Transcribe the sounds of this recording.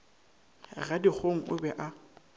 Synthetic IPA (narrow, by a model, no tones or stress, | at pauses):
ɣadik͡xʰoŋ̩ʔʊ̰bɛʔa